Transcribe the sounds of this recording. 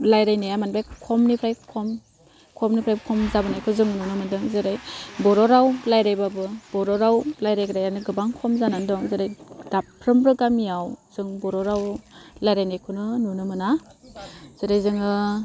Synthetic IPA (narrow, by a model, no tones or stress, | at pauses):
lajɾajnajamanbajkʰɔmnipʰɾajkʰɔm | kʰɔmnipʰɾajbɯkʰɔmzabɯnajkʰɯzɯŋɯnunɯmɯndɯŋzɯɾajbɔɾɔɾawlajɾajbabɯb̥ɔɾɔɾawlajɾajkɾajanɯɡɯbaŋkʰɔmzanandɔŋzɯɾajdapʰɾɯmbɾɯɡamijawz̥ɯŋbɔɾɔɾawlajɾajnajkʰunɯnunɯmɯna | z̥ɯɾajzɯŋɯ